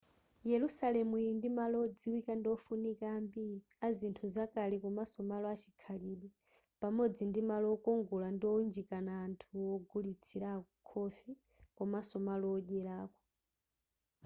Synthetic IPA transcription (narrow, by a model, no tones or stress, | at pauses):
jɛlusalɛmundimalɔːd͡ziwikandiɔfunikaːmbi | azintʰuzakalikɔmasɔmalɔat͡ʃʰikʰaliɓi | pamɔd͡zindimalɔːkɔŋɡɔlandiɔnd͡ʒikanaːntʰuɔɡulit͡sʰiɾakʰɔfi | kɔmasɔmalɔːʄɛɾaːkɔ